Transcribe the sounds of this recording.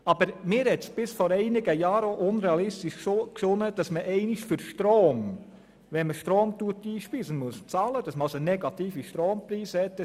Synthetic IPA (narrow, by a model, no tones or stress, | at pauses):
ɑb̥əɾmɪːɾhɛtsb̥ɪsfɔɾɛɪnɪɡəjɑːɾoʔʊnɾɛɑlɪstiʃksʊnəd̥ɑsməʔɛɪnɪʃfʏɾʃtɾoːm | ʋɛnməʃtɾoːmtuətiːʃpiːsənmuəst͡sɑːləd̥ɑsməɑsənɛɡɑt̪iːfiʃtɾoːmpɾiːshɛtːə